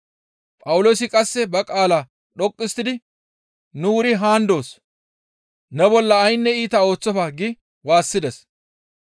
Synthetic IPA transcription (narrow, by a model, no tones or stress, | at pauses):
pʼɐwʊlo̞ːsɪkʼɐsːɛbɐkʼaːla | ɗɔkʼːɪst̪ːɪd̪ɪ | nuːɾɪɦaːnd̪o̞ːs | nɛbɔlːɐːjnːɛiːt̪ɐo̞ːt͡sːɔfaɡɪ | waːsːɪd̪ɛs